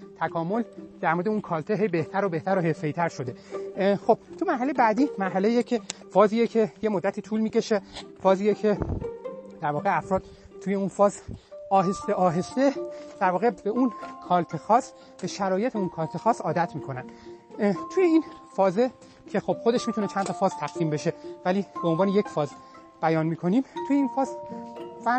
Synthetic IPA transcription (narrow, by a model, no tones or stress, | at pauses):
t̪ʰækʰɒːmo̞ld̪æɾmoɾed̪eunkʰɒːlt̪ʰeɦe̞jbeht̪ʰæɾobe̞ht̪ʰæɾoɦefejit̪ʰæɾʃo̞d̪e̞xo̞b̥̚t̪ʰumæɾɦæle̞jebæːd̪iːmæɾɦælejjecʰefɒːziːjecʰe̞je̞mo̞d̪ːæt̪ʰiːt̪ʰuːlmiːce̞ʃefɒːziːjecʰe̞ | d̪æɾvɒːɣe̞æfɾɒːd̪̥̚ | t̪uje̞unfɒːzɒːɦest̪eʔɒːɦe̞st̪ed̪̥æɾvɒːɣe̞beʔunkʰɒːlt̪ʰexɒːs | b̥e̞ʃæɾɒːje̞t̪ʰeunkʰɒːlt̪ʰexɒːsɒːd̪æt̪ʰmiːkʰo̞nænd̪ | t̪ʰuːjeiːnfɒːze | cʰe̞xob̥xo̞d̪e̞ʃmiːt̪ʰune̞t͡ʃʰænt̪ʰɒfɒːzt̪ʰæɡ̥siːmbeʃe̞væliːbeo̞nvɒːneje̞cfɒːz | b̥æjɒːnmiːkʰo̞niːmt̪ʰuːjeiːnfɒːzfæ